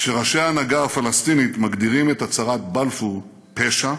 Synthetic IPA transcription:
ʃeʁaʃejaːnaɡaːfalast̪init̪maɡdiʁime̞tat͡saʁatbalfu | pe̞ʃa

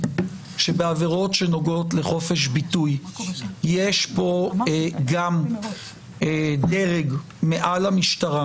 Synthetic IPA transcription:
ʃe̞beaveʁo̞tʃe̞no̞ɡo̞tleχo̞fe̞ʃ̬bituj | jeʃpo̞ɡam | deʁeɡ | meʔalamiʃtaʁa

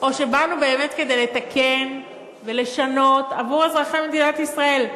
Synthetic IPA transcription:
ʔo̞ʃe̞banube̞ːme̞t̪ke̞d̪e̞jlet̪akʰe̞n | ve̞le̞ʃano̞tavuʁazʁaχammed̪inat̪isʁae̞l

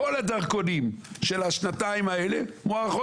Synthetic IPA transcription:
oladaʁkonimʃelaʃnataimaelemoaχo

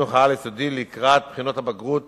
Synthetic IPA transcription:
oχaaljesod̪ileikʁat̪̚pχino̞t̪habaɡʁut̪

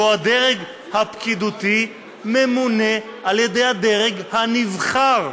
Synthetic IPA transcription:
oad̪eʁeɡ | hapkid̪ut̪i | memune̞ʔaljed̪ejhad̪e̞ʁeɡhanivχaʁ

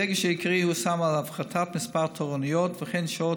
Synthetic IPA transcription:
ɛɡəʃɛikʁihusamalavχatʰatmɪspaʁt̪ʰoʁɔnijɔtvəχɛnʃo

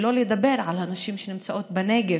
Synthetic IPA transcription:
loːljd̪abːɪɾʕalʔanaʃiːmʃenɪmt͡saʔoːt̪̚bɪneːɡɪ

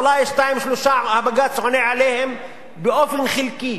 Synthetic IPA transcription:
lajʃt̪aimʃloʃahabaɡat͡sʕoneʕalehem | beʔofenχilki

